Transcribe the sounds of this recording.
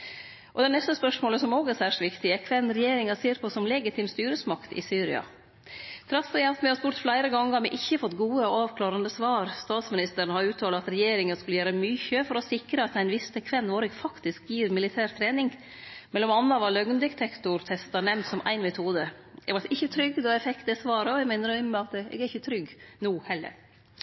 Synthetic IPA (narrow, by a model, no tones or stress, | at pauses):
ʔɔd̪ɛnɛst̪əspœʂmoːləsɔmoːɡæɾsæːʂɪ̥t̪ʋɪkt̪ɪəkʰʋɛnːɾɛjeːɾɪŋɑseːɾpʰɔsɔmlɛːɡɪt̪ʰɪːmst̪yːɾəsmɑkt̪ɪ̰syːɾɪ̰ɑ̰ | t̪ʰɾɑsɛæhɑft̪mɛhɑspuːʈt̪flæɪɾəɡɑŋːəɾhɑɾmɪʔɪçːəfɔt̪ːɡuːəɔɑːʋkʰlɑːɾɑnd̪əsʋɑːɾst̪ɑːt̪smɪnɪst̪əɾnhɑɾʉːt̪ʰɑːləɑt̪ɾɛjeːɾɪŋənskʉlːəjæːɾəmyːçəfɔɾɔsɪkɾəɑt̪æɪnʋɪst̪əkʰʋɛnːʋoːɾɪɡfɑkt̪ɪskjiːɾmɪlɪt̪ʰæːɾt̪ʰɾeːnɪŋ | mɛlːɔmɑnːɑʋɑlœɡnd̪ɪkt̪ʰɛkt̪ʊɾt̪ʰɛst̪ɑnɛmnt̪sɔmʔæ̰ɪnmɛt̪ʰuːd̪ə | ɛɡʋɑɾɪçːət̪ʰɾʏɡd̪ɔæfɛk̪d̪ɛːsʋɑːɾəɔɛɪmæɪnəɾmɛɑt̪ɛ̰ɡɾɪçət̪ʰɾʏɡnuːhɛlːə̰ɾ